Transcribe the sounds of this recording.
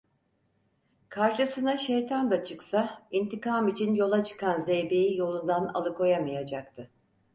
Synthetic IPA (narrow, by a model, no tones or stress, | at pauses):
kʰaɾʃɯsɯnaʃejt̪ʰand̪at͡ʃʰɯksaint̪ʰikaːmit͡ʃʰinjo̞lˠat͡ʃʰɯ̥kanzejbejijo̞lˠund̪ana̰lˠɯkʰo̞jamɯjad͡ʒak̚t̪ʰɯ